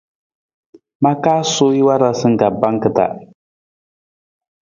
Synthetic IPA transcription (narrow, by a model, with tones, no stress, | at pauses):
ma˦kaː˦soː˦ji˦wa˦ɾa˨sɨ˦ŋ̩˦ɡa˨ba˦ŋkɨ˨ta̰˨